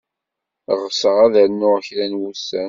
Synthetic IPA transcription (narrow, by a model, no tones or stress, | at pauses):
ʁsəʁæðænːʊʁəçɾænwusːæn